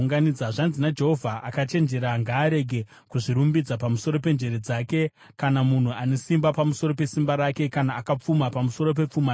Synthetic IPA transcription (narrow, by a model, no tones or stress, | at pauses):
ŋɡanid͡zaʐanzinad͡ʒe̞ɦo̞vʱaʔakat͡ʃe̞nd͡ʒe̞ɾaŋɡaːɾe̞ɡʱe̞ | kuʐiɾumbid͡zapamuso̞ɾo̞p̬e̞nd͡ʒe̞ɾed͡zaːke̞ | kanamun̤uane̞simbapamuso̞ɾo̞pe̞simbaɾake̞kanaːkap͡fumapamuso̞ɾo̞p̬e̞p͡fuma